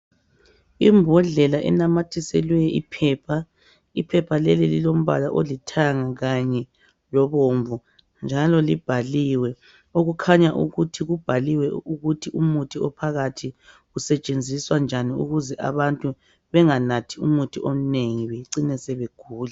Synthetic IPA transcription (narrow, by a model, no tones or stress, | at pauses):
imbʱɔɮɛlaʔɛ̰namatʰisɛlwɛjʔipʰɛːpʰa | ipʰɛpʰalɛlililom̩βa̰laʔolitʰaŋaɣaɲɛ | lɔβoɱvu | nd͡ʒʱalɔlib̥ʱaliwɛ | oɣukʰaɲaʔṵɣutʰiɣub̥ʱaliwɛuɣutʰiʔumutʰiɔpʰaɣatʰi | ɣusɛt͡ʃʼend͡zʱiswand͡ʒʱaniṵɣuzɛʔa̰βantʼu | βɛŋanatʰiumutʰiʔom̩neŋiβeǀinɛsɛβeɡ̥ʱuːla